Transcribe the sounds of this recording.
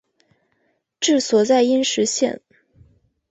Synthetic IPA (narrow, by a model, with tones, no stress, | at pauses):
ʈ͡ʂɻ̩˥˩swɔ˨˩t͡sa˥˩ɪi˥nʂɻ̩˧˥ɕjɛ̰˥˧˨n